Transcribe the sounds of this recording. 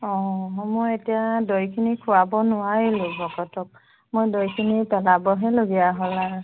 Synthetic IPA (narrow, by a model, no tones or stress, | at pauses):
ɔ̃ɦmojetijadɔjkʰinikʰʊwabɔnʊwaɹilʊbɔkɔtɔk̚ | mojdojkʰinipɛlabɔɦɛloɡijaɦola